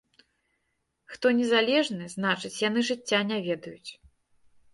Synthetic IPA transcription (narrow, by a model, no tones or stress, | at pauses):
xt̪ɔnʲɛzalʲɛʐnɨznat͡ʂɨt͡sʲjanɨʐɨt͡sʲːanʲavʲɛd̪ɐjut͡sʲ